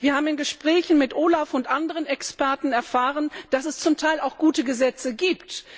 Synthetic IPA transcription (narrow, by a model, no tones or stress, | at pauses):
viːɐhaːbm̩ɪnɡəʃpʁ̥ɛːçn̩mɪtʔoːlafʊntʔandəʁənɛkspɛɐtn̩ɛɐfaːʁənd̥asɛst͡sʊmtʰaɪlaʊxɡ̥uːtəɡəzɛt͡səɡiːpt